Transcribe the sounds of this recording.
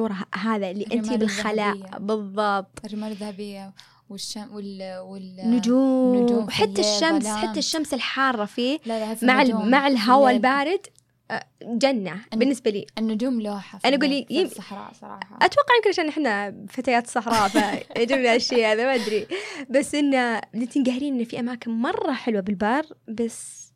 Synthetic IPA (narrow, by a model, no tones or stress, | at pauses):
uːɾˤɦaːðalːiːʔɪnt̪ibɪlxalaːʔbɨðˤːɑb̚t̪ˤːmaðhabɪjːa | wɪawɪwɪnːʊd͡ʒuːmwħat̪ːaʃːamsħaːaʃːamsɪlħɑːrˤːɑfiːmaʕmaʕɪlɦawalbaːɾɪd̪ | d͡ʒanːabɪnːɪsbalḭːnːʊd͡ʒuːmlħaʔanaʔaɡuːlːijɪmɾˤɑ̰sɾˤɑ̰ħɑʔat̪wɑqːɑʕjɪmkɪnʔaʃaːnʔɪħnːafat̪aːjaːt̪sˤɑħɾˤɑːfaʔɪd͡ʒibnaʔaʃiːhaðamaʔad̪ɾibasːʔɪnːalɪnt̪inɡahɾiːnʔɪnːfiʔamaːkɪnmɑrˤːɑħɪlwabɪlbɑrˤbasː